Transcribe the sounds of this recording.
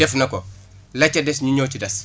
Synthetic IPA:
ɛfnɐkɔ | lɐcːɐdɛsɲuɲɔːcidɐs

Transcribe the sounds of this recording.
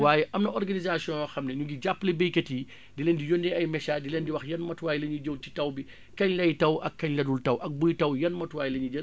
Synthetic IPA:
waːjəʔɐmnɐʔɔɾɡɐnizasiɔ̃jɔxɐmnɛɲuɡiɟapːlebejkɐti | dilendijondɛɐjmɛʃaːdilendiwɐxjɐnmɐtwaːjlɐɲud͡ʒowti̥tɐwbi | kɐɲlɐjtɐwʔɐkːɐɲlɐdultɐwʔɐk̚bujtɐwjɐnmɐtwaːjlɐɲud͡ʒɐ

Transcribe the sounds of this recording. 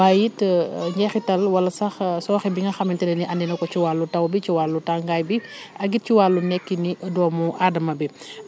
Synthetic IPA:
aːjitɲɟɛxitɐlwɐlːɐsɐxsɔːxɛbiŋɡɐxɐmintɛnɛniʔɐndɛnɐkɔt͡ʃiwaːlːutɐwbit͡ʃiwalːutaŋɡaːjbi | ɐɡit̚ciwalːunɛkːinidɔːmuʔaːdɐmɐbi

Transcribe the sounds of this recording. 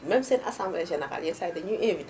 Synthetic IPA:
mɛ̃msenʔa̰sãmbleʒeneɾa̰ljisad̪əɲuʔenvid

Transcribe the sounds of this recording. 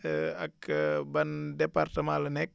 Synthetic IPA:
ɐkbɐndɛpartəmãlənɛk̚

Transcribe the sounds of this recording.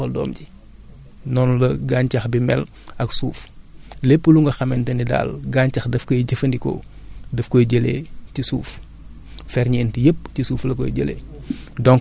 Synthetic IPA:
ɔldɔ̰ːmɟi | nɔːnlɐɡaːɲcɐxbimɛl | ɐksuːflepːəluŋɡɐxɐmɛntɐnida̰ːlɡaːɲcɐxdɐfkɔjɟəfɐndikɔ̰ | dɐfkɔjɟəlḛːcisuːf | fɛɾɲɛːntijəp̚ːcisuːflɐkɔ̰jɟə̰lḛːdɔŋ

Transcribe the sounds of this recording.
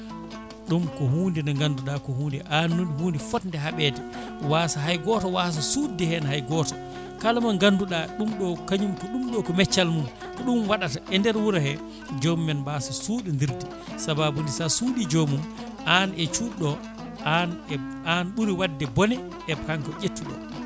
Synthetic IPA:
ɗumkɔhuːndinɔŋɡanduɗakɔhuːndɛʔanːunhuːndifɔtndɛɦaɓɛdɛ | waːsaɦajɡɔtawas̬asudihɛnɦajɡɔtḁ | kalmaŋɡanduɗaɗumɗɔkaɲumkɔɗumɗɔkɔmɛt͡ʃːalmum | kɔɗumwaɗataʔɛndɛɾwuɾahɛ | d͡ʒomumɛnbasasuːɗindiɾdi | sababundisasuːɗid͡ʒomum | ʔanɛt͡ʃuɗɔ | an | anɓuɾiwadːɛbɔnɛ | ɛbhaŋkɔʔetːuɗɔ̰

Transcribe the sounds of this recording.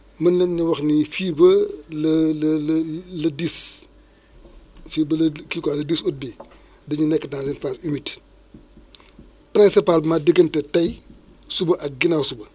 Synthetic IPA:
mɐnlɛnɲiwɐxnifiːbɐlɐlllɐdis | fiːbɐlfiːkalɐdisut̚bi | dɐɲunɛkːətnazinfasumit | pɾinsipalmadəɡəntɛtɐj | subɐʔɐk̚ɡinawsubɐ

